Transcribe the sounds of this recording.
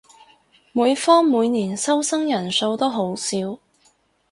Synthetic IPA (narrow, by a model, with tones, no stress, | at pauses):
muː˨˧jfɔː˥ŋmuː˨˧jniː˨˩nsɐ˥wsɐ˥ŋjɐ˨˩nso˧wt̪o˥wɦo˨˥wsiː˨˥w